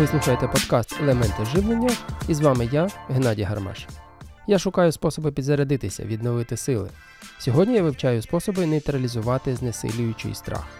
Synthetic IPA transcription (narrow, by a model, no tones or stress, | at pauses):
ʋɪslˠuxɐjet̪ɛpɔd̪kɑst̪elˠemɛnt̪ɪʒɪʋnˠenʲːɐizʋɑmɪjaɦenɑdʲɐɦɐrmɛ̰ʃ | jaʃʊkɑjʊspɔsɔbɪpʲid̪zɐɾɐd̪ɪt̪ɪsʲɐ̰ʋʲid̪nɔʋɪt̪ɪsɪlˠɪ̰ | sʲɔɦɔdʲnʲijaʋɪwt͡ʃɑjʊspɔsɔbɪnejt̪ɾɐlʲizʊʋɑt̪ɪznesɪ̰lʲʊjʊt͡ʃɪ̰jst̪ɾɑ̰x